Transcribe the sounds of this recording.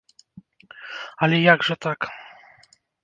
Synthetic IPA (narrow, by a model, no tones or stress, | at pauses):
alɛjaɡʐɛt̪ak